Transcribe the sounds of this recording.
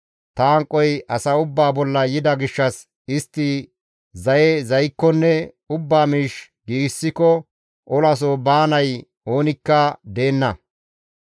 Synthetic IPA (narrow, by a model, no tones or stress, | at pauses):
t̪aːŋkʼːɔjʔɐsɐʊbːaːbɔlːɐjɪd̪ɐɡɪʃːɐs | ɪst̪ːɪ | zɐjɛzɐjkːɔnːɛ | ʊbːaːmiːʃ | ɡiːɡsːɪkɔ | ʔɔlɐs̬oːbaːnɐj | o̞ːnɪkːɐd̪e̞ːnːɐ